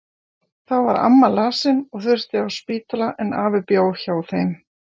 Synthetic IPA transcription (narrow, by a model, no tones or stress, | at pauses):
θawvaɾa̰mːalaːsɪnɔɣθʏ̥st̪ɪawspiːt̪laʔɛnaːvɪpjoːwçaːwθejm